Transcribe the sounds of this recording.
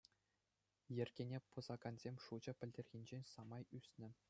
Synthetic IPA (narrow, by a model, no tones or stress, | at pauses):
jɘ̆rʲɡʲenʲepɤ̆zɑɡɑnzʲemʲʂud͡ʑɤ̆pʲɘ̆lʲdʲerʲɣʲinʲd͡ʑenʲsɑmɑjysʲnʲɘ̆